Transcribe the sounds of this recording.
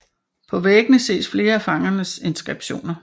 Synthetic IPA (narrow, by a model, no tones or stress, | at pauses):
pʰɒ̽ʋeɡ̥ənəse̝̰ːsfle̝ːɐæfɑ̈ŋɐnəse̝nsɡ̥ʁeb̥ɕo̝̰ːnɐ